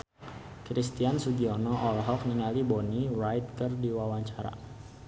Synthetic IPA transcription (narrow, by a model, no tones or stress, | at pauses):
kɾist̪iansudiɔnɔʔɔlɦɔk̚niŋalibɔnirajt̪̚kərdiwawaɲt͡ʃaɾa̰